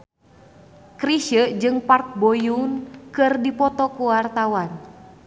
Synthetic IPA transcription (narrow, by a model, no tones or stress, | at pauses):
kɾiʃəd͡ʒɨŋpark̚bojunkɨrdipɔt̪ɔkuwart̪awan